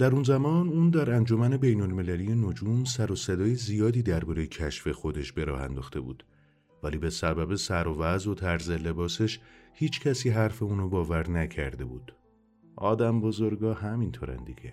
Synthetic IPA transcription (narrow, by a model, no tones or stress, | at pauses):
d̪̥æɾunzæmɒːnuːnd̪æɾænd͡ʒo̞mæne̞be̞jno̞lme̞lælije̞nod͡ʒuːmsæɾosed̪ɒːjezijɒːd̪iːd̪æɾbɒːɾe̞jecʰæʃfe̞xo̞d̪e̞ʃb̥e̞ɾɒ̰ːɦæ̰nd̪ɒ̰ːxt̪ʰe̞̰bṵːd̪̥ | væliːbe̞sæbæbe̞sæɾovæzo̞t̪ʰæɾzele̞bɒːse̞ʃhiːt͡ʃcʰæsiːɦæɾfe̞unobɒːvæɾnæcʰæ̰ɾd̪e̞buːd̪̥ | ʔɒ̰ːd̪æmbozoɾɡɒːhæmint̪ʰo̰ːɾæ̰nd̪iɡḛ